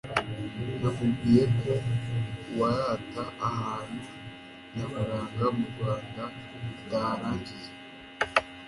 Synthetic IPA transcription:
namuɡijeko | waɾaːtaʔahaːnu | naβaɾaːŋɡamuɡɡwaːnda | daːɾaːɲɟije

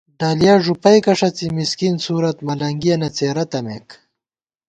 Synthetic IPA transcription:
ɖaːlijaːʐupɐjkɐʂɐt͡simiskinsuːɾɐt̪mɐlɐŋɡijɐnɐt͡seːɾɐt̪ɐmḛːk

